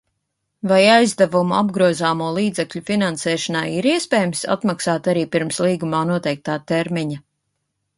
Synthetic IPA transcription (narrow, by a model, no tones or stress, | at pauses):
vajajzd̪avumua̰bɡɾuɔzaːmuɔlˠiːd̪zɛkʎʲufinansɛːʃɔnajiɾiɛspɛːjmsa̰t̪maksaːt̪aɾiːpiɾmslˠiːɡumaːnuɔt̪ɛjk̚t̪aːt̪ɛɾmiɲɐ